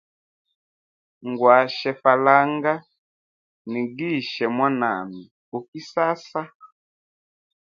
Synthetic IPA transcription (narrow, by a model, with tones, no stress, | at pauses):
ŋɡwa˨ʃɛ˨fa˨la˦ŋɡa˦ | ni˨ɡi˦ʃɛ˨mwa˦na̰˨mi˨ | u˨ki˦sa˦sa˦